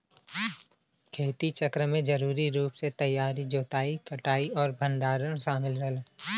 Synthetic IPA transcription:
kʰeːt̪it͡ʃəkɾəmẽd͡ʒɐɾuːɾiɾuːpset̪ɐjːaːɾid͡ʒoːt̪aːikɐʈaːiɔːɾbʱə̃nɖ̪aːɾəɽ̃ʃaːmɪlɾəɦl

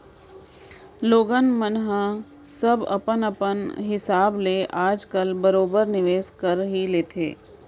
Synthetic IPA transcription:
loːɡənmənɦa | sɐbɐ̰pənəpənɦɪsaːbleʔaːd͡ʒkəlbɐɾoːbəɾnɪʋeːskəɾɦileːt̪ʰḛː

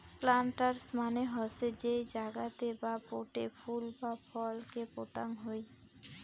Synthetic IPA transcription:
plaɳʈaɾsmaneɦɔsed͡ʑed͡ʑaɡat̪ebapoʈefʰulbapʰɔlkepot̪a̰ŋɦoj

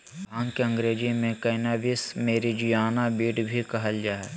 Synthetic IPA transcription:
bʱãːŋkeɐ̃ŋɡɾeːd͡ʒimẽkɐɪnaʋɪsmeːɾid͡ʒʊjaːnabiːʈbʱikɐɦəld͡ʒaːɛ

